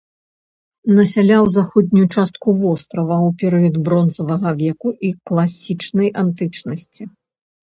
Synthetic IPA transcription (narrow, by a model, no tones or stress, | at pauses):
nɐsʲalʲawzaxɔd̪ʲnʲujut͡ʂast̪̚kuvɔst̪ɾɐvɐwpʲɛɾɨjɐd̪bɾɔnzɐvɐɣɐvʲɛkuʔiklˠasʲit͡ʂnɐjʔant̪ɨt͡ʂnɐsʲt͡sʲi